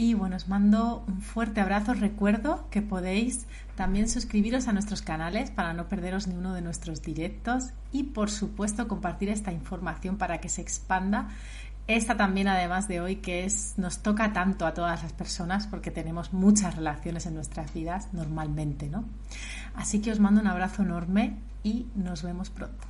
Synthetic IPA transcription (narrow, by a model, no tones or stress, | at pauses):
iβwe̞noozmãnd̪o̞uɱfwe̞ɾt̪e̞aβ̞ɾaθo̞re̞kwe̞ɾðo̞ke̞po̞ð̞e̞js | t̪ambje̞nsuskɾiβ̞iɾo̞sanwest̪ɾo̞skanale̞spaɾano̞pe̞ɾð̞e̞ɾo̞znĩŋɡunoð̞e̞nwe̞st̪ɾo̞zðiɾe̞k̚t̪o̞s | ipo̞ɾsupwe̞st̪o̞ko̞mpaɾt̪iɾe̞st̪aiɱfo̞ɾmaθjo̞mpaɾake̞se̞ːkspand̪a | e̞st̪at̪ambje̞naðe̞mazðe̞o̞jkeesno̞st̪o̞kat̪ant̪oat̪o̞ðazlaspe̞ɾso̞naspo̞ɾke̞t̪e̞nẽ̞mo̞zmut͡ʃasre̞laθjo̞ne̞se̞nːwe̞st̪ɾazβiðasno̞ɾmalmẽ̞nt̪e̞no̞ | asike̞o̞zmãnd̪ounaβ̞ɾaθo̞eno̞ɾme̞ | ino̞zβe̞mospɾo̞̰nt̪o̥